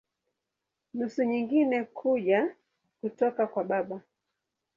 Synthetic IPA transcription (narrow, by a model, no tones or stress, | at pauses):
nusuɲiŋɡinɛkʰuʄa | kutɔkakwaɓaɓa